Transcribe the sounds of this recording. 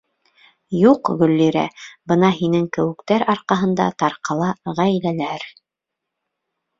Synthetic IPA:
juqɡɵ̆lːiɾæ̰bɤnɑɦinɘŋkɘ̆wɘ̆kt̪æɾɑɾqɑɦɤ̆nd̪ɑ̰t̪ɑɾqɑlˠɑʁæjlælæɾ

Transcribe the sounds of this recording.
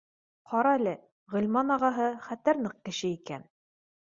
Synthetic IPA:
qʰɑɾɑælɘ | ʁɵ̆lʲmɑnɑʁɑɦɤχæt̪æɾnɤq̚kɘ̆ʃɘikæn

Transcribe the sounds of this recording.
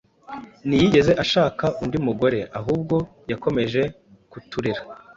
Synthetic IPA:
nijiɟe̞ze̞ʔaʃaːkaʔundimuɡo̞ɾe̞ʔaɦuːb̚ɡo̞ | jako̞me̞ʒe̞ | kutuɾiɾa

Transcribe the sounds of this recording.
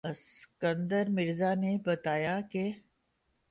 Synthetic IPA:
ɐskə̃nd̪əɾmɪɾzanebɐt̪aːjake

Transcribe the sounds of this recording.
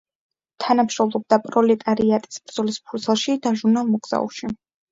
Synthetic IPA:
t̪ʰanamʃɾɔmlˠɔb̚d̪apʼɾɔlɛt̪ʼaɾiat̪ʼi̥sbɾd̪zɔlispʰuɾt̪sʰɛlˠʃid̪aʒuɾnalˠmɔɡz̥a̰ṵʃi

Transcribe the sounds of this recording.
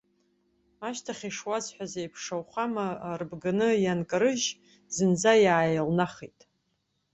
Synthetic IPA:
aʃtʰaχʲiʂwazħʷᶣazejpʰʂawχamaːrbɡanɨjankʼɨɾɨʒ | zɨnd͡zajaːjalnaχejtʼ

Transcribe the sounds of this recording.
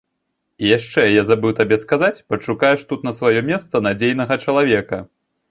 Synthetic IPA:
ijaʂt͡ʂɛjazabɨwt̪abʲɛskazat͡sʲpɐt͡ʂukajɛʂt̪ut̪nɐsvajɔmʲɛst̪sɐnad͡zʲejnɐɣɐt͡ʂɐlˠavʲɛkɐ

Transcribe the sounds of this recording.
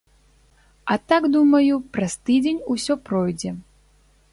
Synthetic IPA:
ɐt̪aɡd̪umɐjupɾɐst̪ɨd͡zʲenʲusʲɔpɾɔjd͡zʲɛ

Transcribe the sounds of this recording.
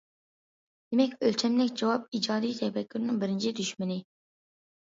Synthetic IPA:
d̪̥emɛkʲølt͡ʃʰɛmlɪkʲd͡ʒɑwɑp̚id͡ʒɑːd̪ijt̪ʰɛfɛkʲːyɾnɪŋbɪɾɪnt͡ʃʰid̪yʃmɪnɪ

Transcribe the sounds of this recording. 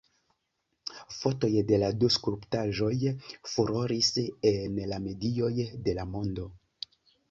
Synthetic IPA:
fo̞to̞jde̞laduskɾuptaʒo̞jfuɾoɾisenlame̞dio̞jde̞lamo̞ndo̞

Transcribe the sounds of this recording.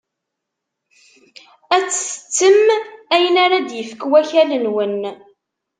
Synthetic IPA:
æt͡sːə̥sə̥t͡sːəmæjənaɾad̪jəfəkwæçælənwən

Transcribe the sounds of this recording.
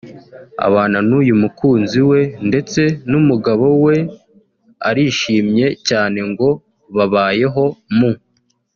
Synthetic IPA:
a̰βaːnanujumukuːnziwe̞nde̞t͡se̞numuɡaβo̞we̞ | a̰ɾiʃiːmɲe̞caːne̞ŋɡo̞ | βaβaːje̞ɦo̞mu

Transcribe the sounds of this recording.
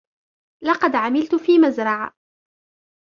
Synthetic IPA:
lɑqɑd̪ʕamɪlt̪fiːmazɾˤɑʕa

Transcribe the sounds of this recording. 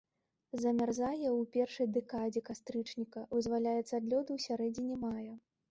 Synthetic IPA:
zɐmʲarzajɛwpʲɛrʂɐjd̪ɛkad͡zʲɛkast̪ɾɨt͡ʂnʲikɐvɨzvalʲajɛt̪sad̪lʲɔd̪ɨwsʲaɾɛd͡zʲinʲɛmajɐ

